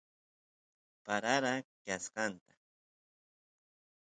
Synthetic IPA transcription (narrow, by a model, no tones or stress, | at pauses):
paɾaɾakasqɑnt̪ḁ